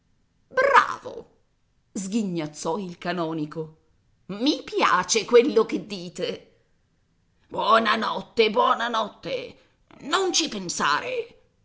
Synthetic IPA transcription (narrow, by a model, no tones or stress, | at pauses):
bɾa̰ːvo̰ | zɡiɲːat̪sːɔilkanɔːniko | mipja̰ːt͡ʃekwelːok̟ed̪ːiːt̪e | bwɔːnanɔt̪ːebwɔːnanɔt̪ːe | nont͡ʃipensa̰ːɾe